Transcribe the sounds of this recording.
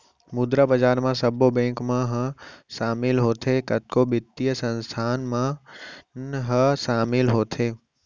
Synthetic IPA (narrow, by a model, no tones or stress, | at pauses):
mud̪ɾabəd͡ʒaːɾmãsɐbobẽːŋkmãɦə̃ʃaːmɪlɦoːt̪ʰekɐt̪̚kobɪt̪ːijəsɐ̃nst̪ʰaːnmãnɦəʃaːmɪlɦoːt̪ʰeː